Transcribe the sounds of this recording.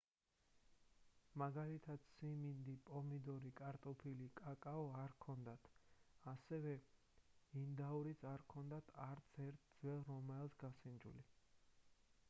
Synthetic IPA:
maɡalit̪ʰad̪̥simind̪ipʼɔmid̪ɔɾikʼaɾt̪ʼupʰilikʼakʼaɔaɾkʰɔnd̪at̪ʰasɛvɛ | ind̪auɾit̪sʰaɾkʰɔnd̪at̪ʰaɾt̪sʰɛɾt̪ʰd̪zwɛlˠɾɔmɛlˠsɡasind͡ʒṵli

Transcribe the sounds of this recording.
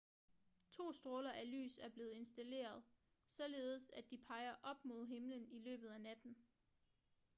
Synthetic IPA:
t͡sʰo̝̰ːsd̥ʁɔːlɐʔæly̰ːsæɐb̥le̝ːð̩ˠe̝nsd̥æle̝̰ːɐð̞ˠ | sɒ̽le̝ːð̞̩ˠəsæd̥ipʰɑ̈ɪɐʔɒ̽b̥mo̝ð̞̰ˠɦe̝mlənilø̰ːb̥ð̞̩ˠænæd̥n̩

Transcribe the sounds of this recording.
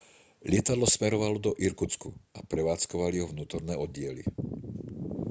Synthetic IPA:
lɪɛt̪ad̪lɔsmɛɾɔʋalɔd̪ɔʔiɾkut͡skuapɾɛʋaːt͡skɔʋaliɦɔʋnuːt̪ɔɾnɛːɔd̪ɟɪɛlḭ

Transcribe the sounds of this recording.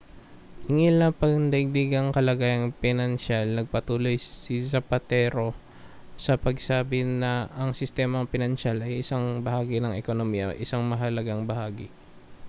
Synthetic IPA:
ɪŋɪlɐpɐɡnd̪ɐɪɡ̚d̪iɡɐŋkɐlɐɡaːjɐŋpɪnɐnʃalnɐɡ̚pɐt̪uːlo̞jsɪsɐpɐt̪ɛːɾo̞ | sɐpɐɡsaːbɪnɐʔɐŋsɪst̪ɛːmɐŋpɪnɐnʃalɐjʔɪsaŋbɐhaːɡɪnɐŋɛkonomiːjɐ̰ʔɪsaŋmɐɦɐlɐɡaŋbɐhaːɡɪ

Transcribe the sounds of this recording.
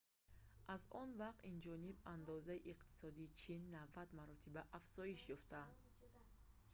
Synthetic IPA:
ʔazɔnvaqt̪ind͡ʒɔniband̪ɔzaiʔiqt̪ʰi̥sɔd̪iːt͡ʃʰinːavːat̪maɾɔt̪ʰibaʔafz̥ɔiʃjɔft̪ad̪

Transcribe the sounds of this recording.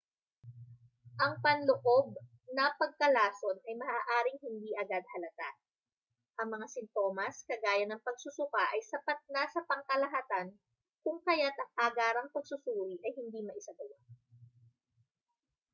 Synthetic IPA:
ʔɐŋpɐnlʊʔo̞b̚ | nɐpɐɡ̚kɐlaːso̞nʔɐjmɐʔaːʔaːɾɪŋhɪnd̪iʔɐɡad̪̚hɐlɐt̪a | ʔɐŋmɐŋasɪnt̪o̞ːmɐskɐɡaːjɐnɐŋpɐɡ̚sʊsʊkaʔɐjsɐpat̪̚naːsɐpɐŋkɐlɐɦaːt̪ɐn | kʊŋkɐjat̪ʔɐŋpaɡaːɾɐŋpɐɡ̚sʊsuːɾiʔɐjhɪnd̪imɐʔɪsaɡɐwa

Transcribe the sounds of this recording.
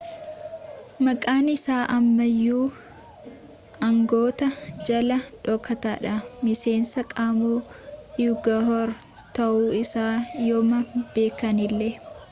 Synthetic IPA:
mɐkʼaːnɪsaːʔɐmːɐjːuː | ɐŋɡo̞ːt̪ɐd͡ʒɐlɐᶑɔkːɐt̪aːᶑɐmɪse̞ːnsɐkʼaːmuːjuɡɐɦɔɾ | t̪ɐʔuːɪsaːjoːmɐb̥e̞ːkɐnɪlːɛ

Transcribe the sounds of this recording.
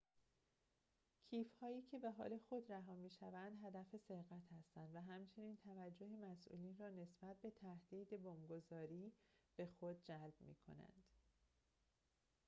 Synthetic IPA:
cʰiːfhɒːjiːcʰe̞be̞ɦɒ̰ːle̞xo̞d̪ræɦɒːmiːʃævænd̪ɦæd̪æfeseɾɣæt̪ʰhæst̪ænd̪væɦæmt͡ʃʰe̞niːnt̪ʰævæd͡ʒːo̞hemæsʔṵːliːnrɒːne̞sb̥æt̪̚be̞t̪ʰæhd̪̥iːd̪e̞bomɡozɒːɾiːb̥e̞xod̪̚d͡ʒælb̥̚mḭːkʰo̞̰næ̰nd̪̥

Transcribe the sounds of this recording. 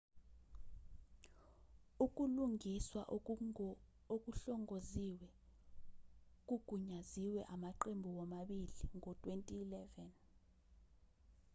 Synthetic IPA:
uk̬ʼuluŋiswaʔ | ok̬ʼuɬɔŋoziwɛ | k̬ʼuɡ̥ʱuɲaziwɛ̰ʔamaǃembʱuwɔmaɓiliŋʱɔtʼwentʼiːlɛvɛn

